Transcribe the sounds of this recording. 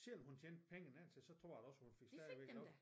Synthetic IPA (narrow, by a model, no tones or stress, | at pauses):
seɒ̽mhunt͡ɕʰeːn̥pʰeŋən̩ænt͡sʰe̝lsɒ̽t͡sʰʁo̝ɐ̰jædɾɒ̽shunfe̝ɡ̥sd̥æɐʋeɡɒ